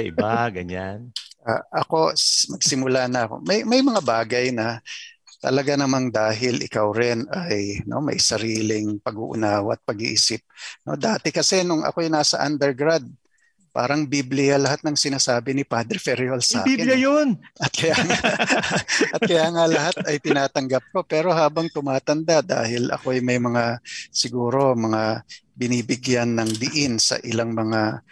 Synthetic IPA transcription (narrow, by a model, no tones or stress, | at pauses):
ɐʔɪ̰baɡɐɲanʔaʔɐko̞smɐɡsɪmʊlanɐɐko̞̰mɐjmɐjmɐŋabaːɡɐjnɐt̪ɐ̰lɐɡanɐmand̪aːɦɪlʔɪ̰kawɾɪnɐjno̞̰mɐ̰jsɐɾiːlɪŋpɐɡṵːʔʊ̰naːwɐɐt̪̚pɐɡiʔḭːsɪp̚no̞̰d̪aːt̪ɪkɐsɛnʊŋʔɐ̰kojnaːsɐʔa̰nd̪ɛɹɡɾad̪̚ | pa̰ːɾɐŋbiblɪjalɐɦat̪̚nɐŋsɪnaːsaːbɪnɪpad̪ɾɪfɛɾjolsa̰ːibljɐjonʔɐt̪̚kɐjaːŋa | ʔɐt̪kɐjaːŋalɐɦat̪̚ɐjt̪ɪnaːt̪ɐŋɡap̚ko̞pɛːɾo̞haːbɐŋt̪ʊmaːt̪ɐnd̪ad̪a̰ːhɪlʔɐ̰ko̞ɐjmɐjmɐŋasɪɡuːɾo̞mɐŋabɪniːbɪɡjanːɐŋb̪ɪʔɪnsɐ̰ʔɪlaŋmɐŋa